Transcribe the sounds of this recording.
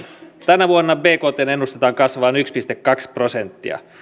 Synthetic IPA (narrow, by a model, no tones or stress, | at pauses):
t̪ænæʋuonːɑbe̞ːko̞ːt̪eːne̞nːust̪et̪ɑːŋkɑsʋɑːnykspist̪ekːɑksprosent̪ːiɑ̰